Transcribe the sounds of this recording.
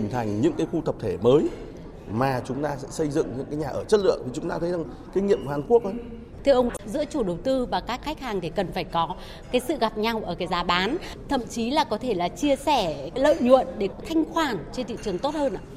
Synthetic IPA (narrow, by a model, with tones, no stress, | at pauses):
i˨˩ŋ̟t̪ʰa˨˩jŋ̟ɲɨ̰˧˥ŋkaː˨˦jxu˧t̪ʰə˨˩p̚t̪ʰe˧˩məː˨˦j | maː˨˩t͡ɕʊ˨˦ŋ͡mt̪aː˧sɛ̰˧˥sə˧jzɨ̰˧˨ŋɲɨ̰˧˥ŋkaː˨˦jɲaː˨˩ʔəː˧˩t͡ɕə˦˥t̚lɨ̰˧˨əŋ̚t̪i˨˩t͡ɕʊ˨˦ŋ͡mt̪aː˧t̪ʰə˨˦za˨˩ŋ | kːi˧˦jŋḭ˧˨əmkhaː˨˩nku˦˥ək̚ʔə˨˦ | t̪ʰi˧əwʔə˧wŋ͡mzɨ̰˧˥t͡ɕu˧˩ɗə˨˩wt̪ɨ˧vaː˨˩kaː˦˥kxk̟̚haː˨˩ŋt̪ʰi˧˨˩kə˨˩nfaː˧˩jkɔ˨˦ | kaː˨˦jsɨ̰˧˨ɣa˨˩p̚ɲa˧wʔəː˧˩kaː˨˦jzaː˨˦ɓaː˨˦n | t̪ʰə̰˧˨mt͡ɕi˨˦laː˨˩kɔ˨˦t̪ʰe˧˩laː˨˩t͡ɕi˧əsɛ˧˩lə̰ː˧˨jɲṵ˧˨ənɗe˧˩kɔ˨˦t̪ʰa˧jŋ̟xwaː˨˩nt͡ɕe˧nt̪ʰḭ˧˨t͡ɕɨ˨˩əŋt̪o˦˥t̚həː˧nʔa̰ː˧˨